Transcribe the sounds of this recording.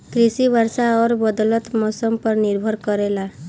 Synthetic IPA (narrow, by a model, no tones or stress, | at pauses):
kɾisibaɾsaɔɾbɔd̪ɔlɔt̪mɔsɔmpɔɾniɾbʱɔɾkɔɾela